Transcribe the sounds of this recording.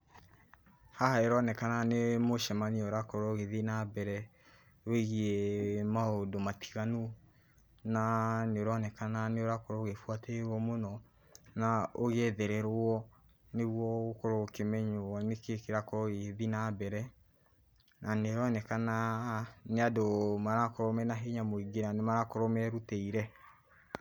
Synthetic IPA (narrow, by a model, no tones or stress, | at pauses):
hahaeɾɔnɛkananemoʃɛmaneoɾakoɾoɣeðinabɛɾɛ | weɣiemaodomati̥ɣanu | naneoɾɔnɛkananeoɾakoɾoɣefwatɛewɔmonɔ | naoɣɛðɛɾɛɾwɔ | neɣwɔɣokɔɾokemɛɲonekekeɾakoɔeðinabɛɾɛ | naneoɾɔnɛkana | neadomaɾakoɾɔmɛnaɦeɲamoiɡenanemaɾakoɾɔmɛɾuteiɾɛ